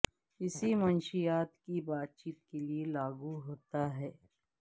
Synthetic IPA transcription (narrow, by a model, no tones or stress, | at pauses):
ɪsimɐnʃijaːt̪kibaːt̪̚t͡ʃiːt̪̚kelielaːɡuɦoːt̪aɦɛː